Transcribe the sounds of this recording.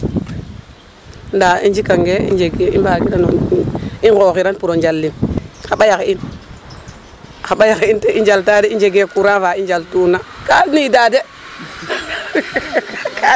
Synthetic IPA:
ndaind͡ʒikaŋɡeḭnd͡ʒeɡeibakiɾaninkoxiɾanpuɾond͡ʒalːinxaɓajakein | xaɓajakeinteind͡ʒaltadeind͡ʒeɡekuɾavaind͡ʒaltunakaniidade | kʰa

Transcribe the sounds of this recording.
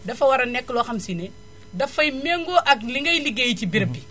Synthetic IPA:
dɐfɐwɐɾɐnɛkːlɔxɐmsinɛ | dɐfɐjmeŋɡɔʔɐkliŋɡɐjliɡejcibiɾbi

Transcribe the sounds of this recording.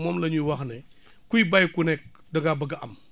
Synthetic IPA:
mɔːmlɐɲujwɐxnɐ | kujbɐjkunɛk̚ | dɐɡabɐɡɐʔɐm

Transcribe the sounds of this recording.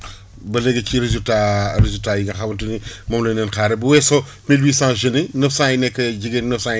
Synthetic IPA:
bɐlɛɡːɐkiɾezultaɾezultaːjiɡɐxɐmɐntunimɐmloːnɛnxaːɾɛbɐwɛso | milwiːsãːʒəninɐfsãːjinɛkːɐɟiɡennɐfsã

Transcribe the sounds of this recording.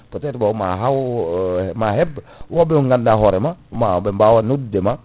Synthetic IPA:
pɔtɛtbauma̰ɦaw | maɦɛb | wabɛuŋɡandaɦɔɾɛmaumabɛmbawanudːɛma

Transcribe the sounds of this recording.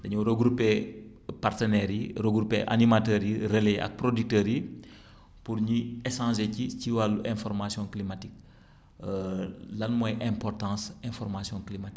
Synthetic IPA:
dɐɲuɾəɡɾupːe | partənɛɾjirəɡɾupːeʔa̰nimatəːɾjireleʔɐ̰k̚prodik̚təɾji | puɾɲiɛsɑ̃ːzeciciwalːuʔɛ̃fɔɾmasjɔ̃klimatik̚ | lɐnmɔjʔɛ̃mpɔrtɑ̃ːsɛ̃fɔrmasjɔ̃klimatik

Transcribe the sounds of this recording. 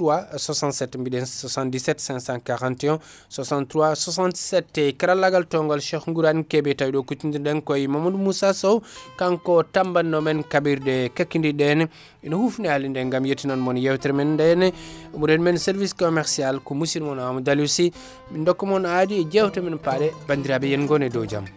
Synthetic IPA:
uwaswasãntsetmbidensosãndisetsɛ̃ŋsãŋkaɾãntiõ | sasãntɾuaswasãntsɛtːekaɾalːaɡaltoŋɡolʃexŋɡuɾankebetajdokutindindeŋkojimomundumusasowkaŋkotambanːomenkabiɾdekakːindidene | inɐhufnealindeŋɡamjetinanmonjewtɾmendenemuɾenmenseɾviskomeɾsialkumusiɾmonamudalusi | mindokːmonadied͡ʒewteminpadebandiɾabejenɡonedowd͡ʒa̰m

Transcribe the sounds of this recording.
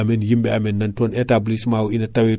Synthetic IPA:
amɛnjimbɛamɛnːɐntɔnetablismawinɐtawi

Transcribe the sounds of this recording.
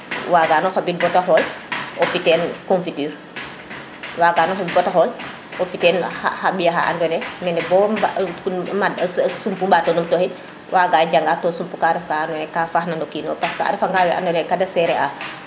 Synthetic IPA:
waːɡaːnɔxabibɔtaxɔlɔfitɛːnkɔnfityːɾ | waːɡaːnɔxɔbibɔtaxɔːl | ɔfitɛːnha̰habijaɦa̰ʔa̰ndɔnɛmɛnɛbɔbakmadsumpumbatonumtɔhin | wʔaɡaːd͡ʒaŋɡaːtɔːsumpukaɾɛfkaandɔnɛkafaxnandɔkiːnɔːpaskɔa̰ɾɛfaŋɡaːwɛʔa̰ndɔnɛkadɐsɛɾɛʔa

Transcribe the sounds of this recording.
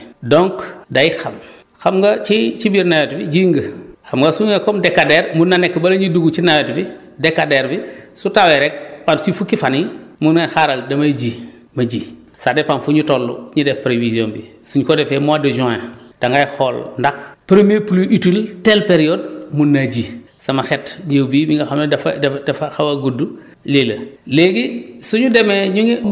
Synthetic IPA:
dɔŋkdajixɐm | xamɡat͡ʃit͡ʃibiɾnawetbid͡ʒiŋɡəxamɡɐsuŋekɔmdekːadeɾmunːanɛkːbɐlɐɲiduɡut͡ʃinawetbi | dekːadeɾbisutaweɾɛk̚pansifukːifanimunŋenxaɾaldɐmaɟi | mɐɟiː | sadepanfuɲitolːṵɲudefpɾevizjoːnbḭ | suɲukodefemuadod͡ʒɔ̃ed̥aŋɡajxɔːlndakpɾemiepuluʔitiltelpeɾiod̚munːaɟi | samaxɛtɲewbibiŋɡaxamdfdefaxawaɡudːu | lilɐleɡisuɲudemeɲuŋe

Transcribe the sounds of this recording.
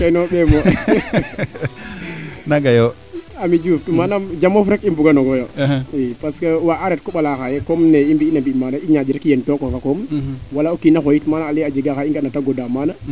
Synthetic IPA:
kenoɓɛmɔ | naɡajo | amid͡ʒuftumanamd͡ʒamɔfɾɛkimbuɡanɔɡɔjoipaskewaʔaɾɛt̚kɔɓalaxajɛkɔmnɛimbiːnabimaːnaʔiɲad͡ʒiɾɛkjentɔkɔfakɔmwalaokinaxojitmaːnaːlɛad͡ʒiɡaxaiŋɡanataɡodamana

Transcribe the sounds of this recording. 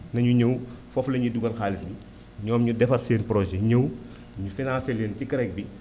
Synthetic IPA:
nɐɲuɲəwfɔflɐɲuduɡɐnxaːlisbi | ɲɔːmɲudɛfɐtseːnpɾɔʒɛɲəw | ɲufinãːseleːncikɐɾɛk̚bi

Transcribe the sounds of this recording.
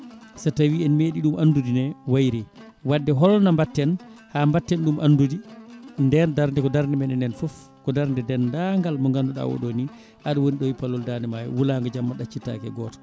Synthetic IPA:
satawiɛnmeɗiɗumʔandudinɛwajɾɛ | wadːɛɦɔlnambatːɛnhambatːɛnɗumʔanːdudindɛndaɾndɛkɔdaɾndɛmɛnɛnɛnfɔf | kɔdaɾndɛdɛndaŋɡalmɔŋɡanduɗa̰wɔ̰ɗoni | ʔaɗawoniɗɔwipalːɔldanɛmaj̰wulaŋɡad͡ʒamːaɗat͡ʃːita̰kɛ̰ɡɔːtḁ

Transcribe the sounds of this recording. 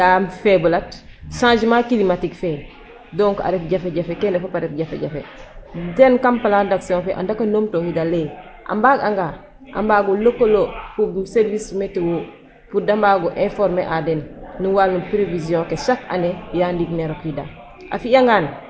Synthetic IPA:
ɡamfebulatʃãːd͡ʒmakilimatikfe | doŋka̰ɾefɟafeɟafekendefapaɾef̚ɟafeɟafḛdenkampaladaksiõfeʔa̰ndakanoːmtohidaleʔa̰mbaɡaŋɡa | ʔa̰mbaːɡulokolopuɡuseɾvismetewo | pudambaɡoʔẽfoɾmeʔadenːuwalnupɾevizijõkesaka̰nejaːndiɡneɾokhida̰ | ʔafiaŋɡaːn

